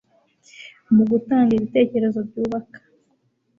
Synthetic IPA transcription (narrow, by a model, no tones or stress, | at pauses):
muɡutaːŋɡiβite̞ːce̞ɾe̞zo̞bɟuːβakḁ